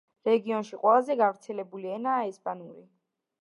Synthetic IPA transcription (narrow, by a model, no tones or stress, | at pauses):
ɾɛɡiɔnʃiqʼwɛlˠazɛɡavɾt̪sʰɛlɛbuliɛnaːɛspʼanuɾi